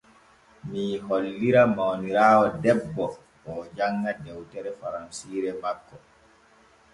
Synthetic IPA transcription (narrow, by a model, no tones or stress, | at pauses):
miɦolːiɾamawniɾaːwɔdɛbːɔ | ɔd͡ʒaŋːɡadɛwtɛɾɛfaɾansiːɾɛmakːɔ